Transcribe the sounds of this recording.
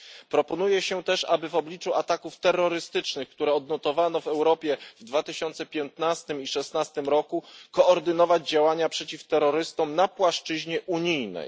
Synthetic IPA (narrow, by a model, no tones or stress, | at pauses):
pɾɔpɔnujɛɕɛt̪ɛʂa̰bɘvɔblʲit͡ʂuat̪akuft̪ɛrːɔɾɘst̪ɘt͡ʂnɘxkt̪uɾɛɔd̪nɔt̪ɔvanɔvɛwɾɔpʲjɛvd̪vat̪ɘɕɔnt̪sɛpʲjɛnt̪nast̪ɘmiʂɛsnast̪ɘmɾɔkukɔːɾd̪ɘnɔvad͡ʑd͡ʑawaɲapʂɛt͡ɕift̪ɛɾɔɾɘst̪ɔmnapwaʂt͡ʂɘʑɲɛʔuɲijnɛ̰j